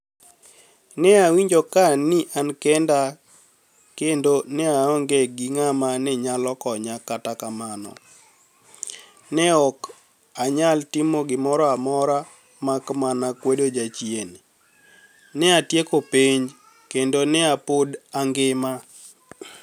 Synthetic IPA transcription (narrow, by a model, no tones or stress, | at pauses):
nɛawiɲd͡ʒokanɪʔankɛnda | kendonɛaɔŋɡɛɡɪŋamanɛɲalɔkɔɲakatakamanɔ̰ | nɛɔk | aɲaltɪmoɡɪmɔɾɔamɔɾa | makmanakwedod͡ʒat͡ʃjen | nɛatjekopeɲ | kendonɛapodaŋɡɪma